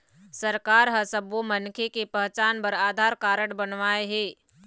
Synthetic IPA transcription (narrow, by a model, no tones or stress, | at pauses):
səɾkaːɾɦəsəbʋomənkʰekepəɦt͡ʃaːnpəɾaːd̪ʱaːɾkaːɾəɽbɐnʋaːeɦɛː